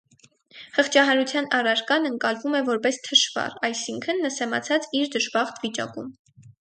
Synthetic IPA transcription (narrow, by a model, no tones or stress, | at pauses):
həχt͡ʃʰɑɦɑɾut͡sʰjɑnɑrɑɾkɑnəŋkɑlvumɛvɔɾpɛst̪ʰəʃvɑ̰rɑjsiŋkʰənːəsɛmɑ̰t͡sʰɑt͡siɾd̪əʒbɑχt̪ʰvit͡ʃɑ̰kum